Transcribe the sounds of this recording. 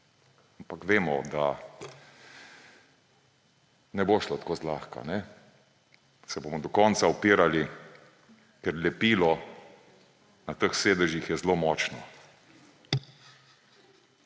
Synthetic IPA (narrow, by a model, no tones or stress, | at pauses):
ampakʋeːmɔd̪a | nɛboːʃlat̪koːzlaːxka̰nɛ | sɛbomɔd̪ɔkɔːnsaɔpiːɾali | kɛɾlɛpiːlɔ | nat̪əxseːd̪əʒixjɛzloːmɔːt͡ʃnɔ